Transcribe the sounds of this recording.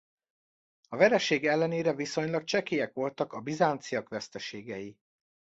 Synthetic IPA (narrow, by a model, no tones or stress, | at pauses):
ɒvɛɾɛʃeːɡɛlːɛneːɾɛviso̞ɲlɒk̚t͡ʃɛkeːɛkʋo̞lt̪ɒkɒbizaːnt̪sijɒkʋɛst̪ɛʃeːɡɛji